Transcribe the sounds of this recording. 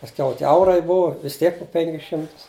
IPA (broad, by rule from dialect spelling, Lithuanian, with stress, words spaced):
pɐsʲˈkʲɛʊ tʲiɛ ˈɐʊrɐɪ ˈbʊʋɐ ʋʲɪs ˈtʲiɛk pʊ ˈpʲɛŋʲkʲɪs ˈʃʲɪmtʊs